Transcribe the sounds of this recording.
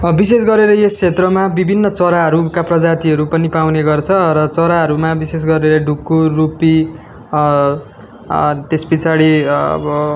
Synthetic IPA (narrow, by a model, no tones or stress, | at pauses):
bises̬ɡʌɾeɾʌjeskʰet̪rʌmabibʱinːʌt͡sʌɾaɦʌɾukaprʌd͡zat̪iɦʌɾupʌnipawneɡʌrt͡sʰʌrʌt͡sʌɾaɦʌɾumabises̬ɡʌɾeɾʌɖukːorupi | t̪espit͡saɽḭbʌ